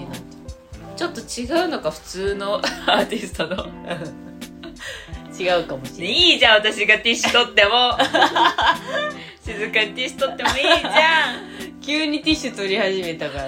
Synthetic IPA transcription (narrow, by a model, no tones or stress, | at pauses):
a | t͡ɕo̞t̪ːo̞t͡ɕiɡaɯ̟no̞kaɸɯ̟̥t͡sɨːno̞aːt̪ʲisɨ̥t̪onoɯ | t͡ɕiɡaɯ̟kamoiːd͡ʑãɰ̃βat̪aɕiɡat̪ʲiɕːt̪o̞t̪ːe̞mo̞ | ɕizɨkaɲit̪ʲiɕɨ̥t̪o̞t̪ːe̞mo̞iːd͡ʑã | kʲɨːɲ̟it̪ʲiɕɨt̪o̞ɾʲihaʑime̞t̪akaɾ